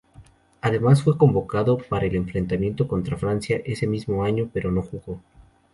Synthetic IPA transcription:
aðe̞masfwe̞ko̞mbo̞kaðo̞paɾaele̞ɱfɾe̞nt̪amje̞nt̪o̞ko̞nt̪ɾafɾansjaʔe̞se̞mizmo̞aɲo̞pe̞ɾo̞no̞xuɣo̞

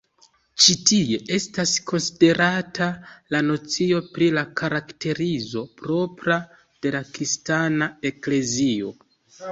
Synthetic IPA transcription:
t͡ʃitie̞ʔe̞stasko̞nside̞ɾatʰalano̞t͡sio̞pɾilakaɾakte̞ɾizo̞pɾo̞pɾa | d̥e̞lakɾistanae̞kle̞zio̞̰

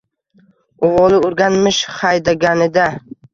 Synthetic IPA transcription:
oʁɒlɪʊɾɡʲanmɪʃχɑjd̪aɡʲanɪd̪a

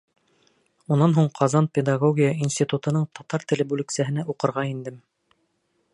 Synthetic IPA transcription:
unɑnɦuɴqʰɑzɑnpʲed̪aɡoɡʲijəinsʲt̪ʲit̪ut̪ɤ̆nɤɴt̪ɑt̪ɑɾt̪ɘ̆lɘbʉlɘ̆ksæɦɘ̆næʔuqɤ̆ɾʁɑind̪ɘm

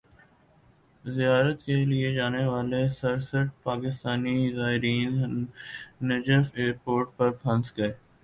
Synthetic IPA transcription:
zijaːɾət̪kelied͡ʒaːneʋaːlesɐɾsəʈ̚paːkɪst̪aːnizaːɦɪɾiːn | nɐd͡ʒəfeːɾpoːɾʈ̚pɐɾfʰɐ̃nsɡɐeː

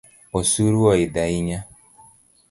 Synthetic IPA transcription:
ɔsuɾuwɔidaiɲa

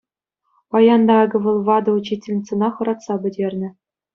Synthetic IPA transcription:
pɑjɑnd̪ɑɑɡɤ̆ʋɤ̆lˠʋɑd̪ɤ̆ut͡ɕːitʲĕlʲnʲit̪t͡sɤ̆nɑχɤ̆ɾɑt̪sɑbʲɘ̆dʲerʲnʲɘ̆

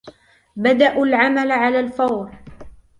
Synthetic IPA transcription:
bad̪aʔʊlʕamalʕalaːlfɑwɾ

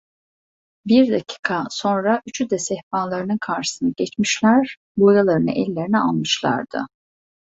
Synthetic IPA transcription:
biɾd̪acʰi̥kʰaso̞nɾaʔyt͡ʃʰyd̪ɛsɛhpanlˠaɾɯnɯnkʰaɾʃɯ̥sɯnaɟɛt͡ʃmiʃlʲæɾ | bojalˠaɾɯnɯ̰ʔɛlʲːe̞ɾinia̰lˠmɯʃlˠa̰ɾd̪̥ɯ̰

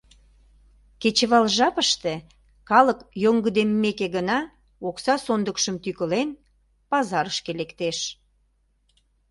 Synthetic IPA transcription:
ket͡ɕəβɑlʒɑpəʃt̪e | kɑləkjoŋɡəd̪emːekeɣənɑ | oksɑsond̪əkʃəmt̪ykəlen | pɑzɑɾəʃkelekt̪eʃ

